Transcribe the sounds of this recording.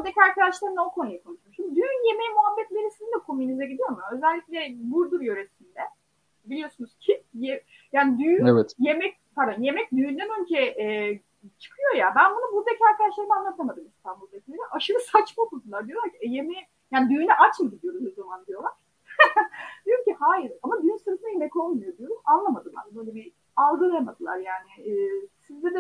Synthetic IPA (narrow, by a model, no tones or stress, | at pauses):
buɾd̪ecʰiaɾkad̪aʃlˠaɾɯnokʰo̞nujakʰonˠuʃijʃimd̪id̪yjynje̞me̞jimuɦabːɛt̪lʲe̞ɾisizind̪ɛkʰo̞mynizɛɟid̪ijo̞ɾmuø̞zɛlʲːicʲlʲɛbuɾd̪uɾjø̞ɾe̞sind̪ɛ | bilʲijo̞sunuz̥cʰije | jaːnid̪yjevɛt̪jemɛc̚pʰaɾd̪anje̞mɛc̚d̪yjynd̪ænø̞lʲd͡ʒʰɛjɛʔ | t͡ʃʰɯ̥kʰɯjo̞jabænbunubuzecʰaɾkʰad̪aʃlˠaɾɯmanˠat̪ʰamad̪ɯmist̪ʰanbulˠd̪acʰilʲeɾɛʔaʃɯɾɯsat͡ʃmalˠmad̪ɯlˠaɾd̪ijo̞lˠaɾcʰiɛjemɛ | jaːnid̪yːnɛʔat͡ʃmad̪ɯd̪ijo̞ɾumozamand̪ijo̞lˠaɾ̥ | d̪̥ijo̞ɾumcʲihaːjiɾamad̪yynsɯɾɯfɯnajemɛco̞lˠmujo̞d̪ijo̞ɾumanlˠamad̪ɯlˠa̰ɾbø̞jlʲebi | alˠɡɯlˠajamad̪ɯlˠa̰ɾjaːnɪːsizd̪ɛd̪ɛ